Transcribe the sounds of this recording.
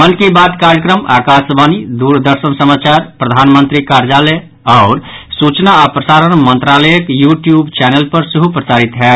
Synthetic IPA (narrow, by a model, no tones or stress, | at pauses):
mənkibat̪kaɾjəkɾəmakasbanid̪uɾd̪əɾsənsəmat͡ʃaɾpɾəd̪ʱanmənt̪ɾikaɾd͡ʒalɛ | aʊɾsut͡ʃnaːpɾəsaɾənmənt̪ɾaləjəkjuʈjubt͡ʃɛnelpəɾsəɦupɾəsaɾit̪ɦɛ